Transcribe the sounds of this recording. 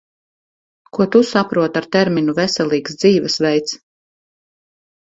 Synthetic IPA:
kuɔt̪usapɾuɔt̪aɾt̪ɛɾminuvɛsɛlˠiːksd̪ziːvɛsvɛjt̪s

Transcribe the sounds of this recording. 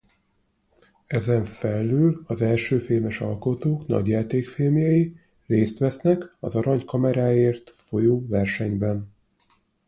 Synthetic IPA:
ɛzɛɱfɛlːøːlɒzɛlʃøːfeːlmɛʃɒ̰lko̞t̪oːknɒ̰ɟjaːt̪eːkfeːmjɛji | reːst̪ʋɛsnɛkɒzɒɾɒɲkɒmɛɾaːjeːrt̪fo̞joːvɛrʃɛɲbɛn

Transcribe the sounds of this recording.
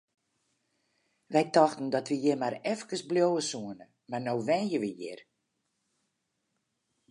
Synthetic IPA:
ʋɛjtɔxtən̩dɔtʋəjɪmaɾɛfkəsbljowəsuənə | marnoːʋɛnjəʋəjɪ̰r

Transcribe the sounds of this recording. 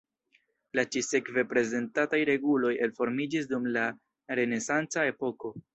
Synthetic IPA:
lat͡ʃise̞kve̞pɾe̞ze̞ntatajɾe̞ɡulo̞je̞lfo̞ɾmid͡ʒis̬dumla | ɾe̞ne̞sant͡sae̞po̞ko̞

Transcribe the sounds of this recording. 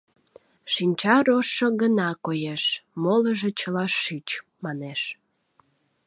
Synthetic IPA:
ʃinʲt͡ɕɑɾoʃːoɣənɑkojeʃmoləʒĕt͡ɕəlɑʃyt͡ɕmɑneʃ

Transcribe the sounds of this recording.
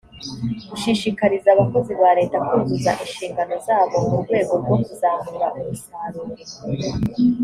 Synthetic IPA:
uʃiʃikaɾizaːβako̞ziβaːɾe̞ːtakuːzuzaʔinʃiːŋɡano̞zaːβo̞muɾɡwe̞ːɡo̞ɾɡwo̞kuzaːmuɾaʔuɾusaːɾu

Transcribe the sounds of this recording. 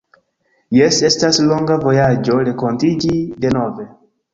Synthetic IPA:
je̞se̞staslo̞ŋɡavo̞jad͡ʒo̞ɾe̞ko̞ntid͡ʒide̞no̞ve̞

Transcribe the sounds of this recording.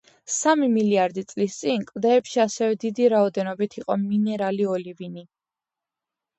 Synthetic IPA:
samimiliaɾd̪it̪sʼlist̪sʼinkʼvd̪ɛːpʃiasɛvɛd̪id̪iɾaɔd̪ɛnɔbit̪ʰiqʼɔminɛɾaliɔlivini

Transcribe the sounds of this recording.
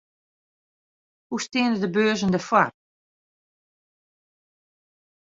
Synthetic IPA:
hustɪənədəbøːzəndəfwar

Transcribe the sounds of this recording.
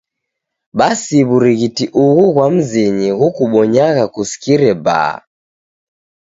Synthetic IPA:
ɓasiβuɾiɣitiʔuɣuɣwam̩ziɲiɣukuɓɔɲaɣakusi̥kiɾɛba̰

